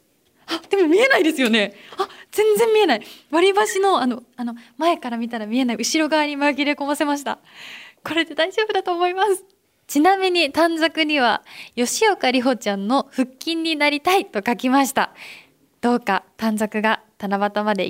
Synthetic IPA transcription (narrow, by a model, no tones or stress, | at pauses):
ad̪̥e̞mo̞mʲie̞naid̪e̞sɨjo̞ne̞az̥ẽ̞nzẽ̞mːʲie̞naiβaɾʲibaɕino̞anoano̞mae̞kaɾamʲit̪aɾamʲie̞naiɯɕiɾo̞ɡaβaɲ̟imaɡʲiɾe̞ko̞mase̞maɕ̬i̥t̪a̰ | ko̞ɾe̞t̪ːed̪aid͡ʑo̞ːbɯ̟d̪at̪o̞ːmo̞imasɨ̥ | t͡ɕinamʲiɲ̟it̪ãnd͡zakɯ̟ɲ̟iβ̞ajo̞ɕijokaɾʲiɦo̞t͡ɕãnːo̞ɸɯ̟kʲːĩɲ̟ːinaɾʲit̪ait̪o̞kakʲimaɕi̥t̪a̰ | d̪̥o̞ːkat̪ãnd͡zakɯ̟ɡat̪anabat̪amad̪e̞̰